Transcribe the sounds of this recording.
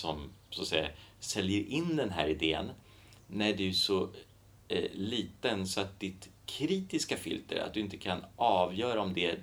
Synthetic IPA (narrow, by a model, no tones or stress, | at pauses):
sɔmsoat̪sɛjːasɛljəɾʔɪnd̪ɛnɦæ̰ːɾɪd̪eːə̰nː | æɖɛjsɔ | liːt̪ənsɔat̪̚d̪ɪt̪kʰɾiːt̪ɪskafʏ̰lt̪ə̰ɾa̰t̪̚d̪ɵɪnt̪ə̥kʰanʔɑːvjœːɾaɔmd̪ɛ